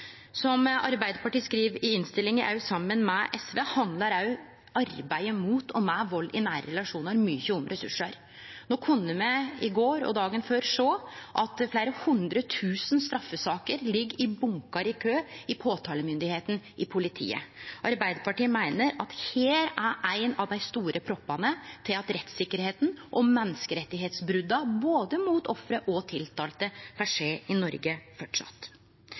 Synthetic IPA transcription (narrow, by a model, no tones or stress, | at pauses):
sɔmʔɑɾbæɪd̪əpɑʈiːskɾiːʋɪɪnst̪ɪlːɪŋɪʔɑʉsɑmːənmɛʔɛsʋeːhɑnd̪lɑɾɑʉ | ɑɾbæɪəmuːt̪ʰɔmɛʋɔlːʔɪnæːɾəɾɛlɑʂuːnəɾmyːçəʊmɾʔɛsʉ̰ʂːəɾ | noːkʰʉnːəmɛɪɡoːɾɔ̰d̪ɑːɡənføːɾʂoːʔɑt̪fleɪɾəhʉnd̪ɾət̪ʰʉːsnst̪ɾɑfːəsɑːkəɾlɪɡːɪbʊŋkɑɾɪkʰøːɪpʰoːt̪ʰɑːləmʏnd̪ɪheːt̪n̩ʔɪpʰʊlɪt̪ʰḭːə̰ʔɑɾbæɪd̪əɾpʰɑʈiːmæɪnəɾɑt̪heːɾæɾæɪnɑʋd̪æɪst̪uːɾʔəpʰɾɔpːɑnət̪ʰɪlɑt̪ɾɛt̪sɪkːəɾheːt̪n̩ʔɔmːɛnːəskəɾɛt̪ːɪɦeːt̪sbɾʉd̪ːɑboːd̪əmuːt̪ɔfɾəʔɔt̪ʰɪlt̪ʰɑːlt̪əpʰæʂeːɪnɔɾɡəfɔʈʂɑ̰t̪ː